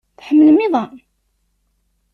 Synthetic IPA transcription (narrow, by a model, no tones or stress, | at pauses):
θħəmːələmɪðˤɑ